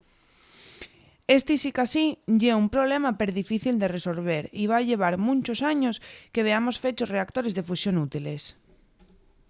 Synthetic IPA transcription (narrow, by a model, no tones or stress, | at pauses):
est̪isikasiʝeumpɾoβlemapeɾðifiθild̪eresolβ̞eɾiβ̞aʎeβ̞aɾmũnt͡ʃosaɲoskeβ̞eamosfet͡ʃosreak̚t̪oɾezðefusjonut̪iles